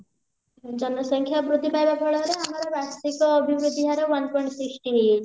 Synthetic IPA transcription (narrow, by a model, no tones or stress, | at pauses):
d͡ʒɔnɔsɔŋkʰjabɾud̪ʱibajbapʰɔɭɔɾeamaɾɔbat̪ikɔːbʱibɾud̪ʱiɦaɾewʌnpɔj̃ɳʈsiksʈiɦije